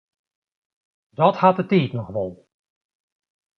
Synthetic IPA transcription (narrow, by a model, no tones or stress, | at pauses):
dɔthat̚dəteːtnɔχʋɔlˠ